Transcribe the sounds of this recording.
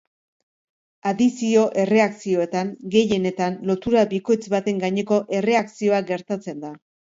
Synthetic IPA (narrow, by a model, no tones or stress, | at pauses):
aðisio̞ʔe̞re̞aksio̞e̞t̪aŋɡe̞je̞ne̞t̪anlo̞t̪uɾabiko̞jt͡sβat̪e̞ŋɡaɲe̞ko̞ʔe̞re̞aksio̞aɡe̞ɾt̪at͡se̞nd̪a